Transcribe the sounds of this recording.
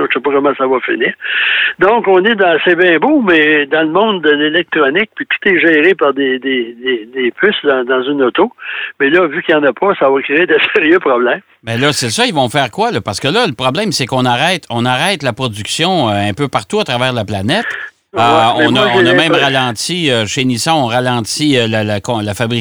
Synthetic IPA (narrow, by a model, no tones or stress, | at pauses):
sɛpɔkɔmaɑ̃savɔfɪniːʁd̪ɔ̃kɔ̃ned̪ɑ̃sɛbɛ̃ːbomɛd̪ɑ̃ləmɔ̃d̪ːəlelɛk̚t̪ʁɔnɪk̚pit̪u̥t̪ɛʒɛːʁepaʁd̪ed̪ed̪ed̪epʰʏsd̪ɑ̃d̪ɑ̃zynɔt̪omɛlʌvykʲijɑ̃ːnɐpʰɔsavɔkʁeed̪eseʁjøpʁɔblɛ̃m | bɛlʌsesʌivɔ̃fɛːʁkwalɔpaʁsə̥kəlʌləpʁɔblɛ̃msɛkɔ̃naʁɛɪt̪ʰɔ̃naʁɛɪt̪lapʁɔd͡zyksjɔ̃øɛ̃pøpaʁt̪uat̪ʁavɛːʁd̪laplanɛt̪ | ɔɛ̃nɔ̃nɔmɛ̃mmʁalɑ̃ːt͡siøʃenisɔ̃ɔ̃ʁalɑ̃ːt͡siølalakɔ̃lafabʁi